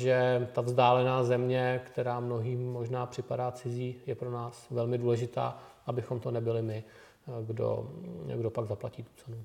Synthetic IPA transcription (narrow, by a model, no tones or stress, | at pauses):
ʒɛt̪avzdaːlɛnaːzɛmɲɛkt̪ɛɾaːmno̞ɦiːmːo̞ʒnaːpr̝̥ɪpadaːt͡sɪziːjɛpɾo̞naːsvɛlmɪduːlɛʒɪt̪a̰ːʔabɪxomt̪o̞nɛbɪlɪmɪ | ɡdo̰ɡdo̞paɡzaplaciːt̪u̥t͡sɛnu